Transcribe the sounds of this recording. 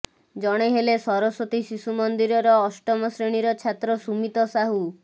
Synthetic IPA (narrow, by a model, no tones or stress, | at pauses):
d͡ʒɔɽ̃eɦelesɔɾɔsot̪isisumɔnd̪iɾɔɾɔːsʈɔmɔsɾeɽ̃iɾɔt͡ʃʰat̪ɾɔsumit̪ɔsaɦu